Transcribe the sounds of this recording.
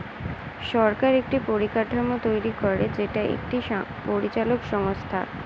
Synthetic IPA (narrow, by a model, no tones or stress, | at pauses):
ʃɔɾkaɾek̚ʈipoɾikaʈʰamot̪ojɾikoɾed͡ʑeʈaḛk̚ʈipoɾit͡ɕalokʃɔŋost̪ʰa̰